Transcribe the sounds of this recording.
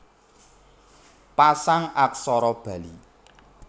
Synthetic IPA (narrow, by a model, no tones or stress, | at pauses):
pasaŋak̚sɔɾɔb̥ä̤lḭ